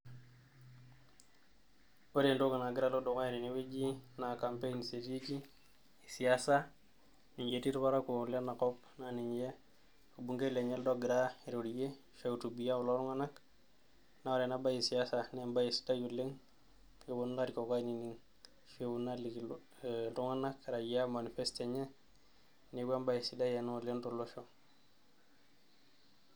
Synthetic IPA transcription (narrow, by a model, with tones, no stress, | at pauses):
o˦ɾe˨ndo˦ɡa˨na˨ɡi˦ɾa˦lo˦do˨ka˦i˨ɾi˨niwe˦d͡ʒi˦na˨kampe˦nse˨ti˦ki˦ | i˨si˨asa˦ | ni˨ɲɟeti˦ɾpa˦ɾa˦ko˨le˦na˨ko˦p | na˨ni˨ɲd͡ʒe˦ | o˨bu˨ŋɡe˦le˨ɲe˦ldo˦ɡi˨ɾa˦e˨ɾo˨ɾije˦ | feu˨tu˨bi˨ja˦u˨lo˦ɾu˦ŋa˦na˦k | na˨wo˨ɾe˨na˦ba˦ji˨si˨asa˨nemba˦jesi̥da˦jule˦ŋ | fe˨wu˦na˦ɾiko˨ka˦nini˦ŋ | fewunalik | tu˦ŋa˦na˦kɾa˨ja˦ma˨ni˨festeɲɛ˦ | newa˦mba˦jesi˨da˦je˨nu˨le˦ntuloʃo